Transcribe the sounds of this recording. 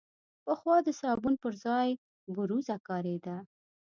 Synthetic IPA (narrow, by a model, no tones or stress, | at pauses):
pəxwɑd̪əsɑbunpəɾzɑj | buɾuzakɑɾed̪a